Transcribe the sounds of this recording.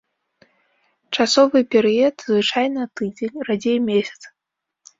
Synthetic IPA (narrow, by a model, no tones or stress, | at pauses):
t͡ʂasɔvɨpʲɛɾɨɛt̪zvɨt͡ʂajnɐt̪ɨd͡zʲenʲrad͡zʲejmʲesʲɐ̥t̪s